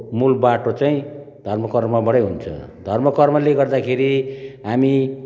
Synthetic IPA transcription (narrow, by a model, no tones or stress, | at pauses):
mulbaʈot͡saĩ | d̪ʱʌrmʌkʌrmabʌɽʌjɦunt͡sʰʌ̰d̪ʱʌrmʌkʌrmʌleɡʌrd̪akʰeɾiɦami